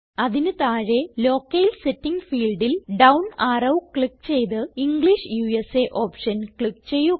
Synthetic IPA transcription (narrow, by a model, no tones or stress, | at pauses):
ɐðinɨt̪aːɻe̞lo̞ːkːɐjilsetːiŋɡfiːɭɖilɖɐwnaːrɐwkɭik̚t͡ɕe̞jt̪ɨiŋɡɭiʂjuːeseʔoːpʂɐnkɭikt͡ɕe̞jːu